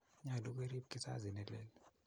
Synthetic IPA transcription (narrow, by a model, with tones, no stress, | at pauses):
ɲa˨lu˦k̬we˦ɾi˦p̚kʼi˦sa̰˦zi˨nɛ˨lɛ˦˨l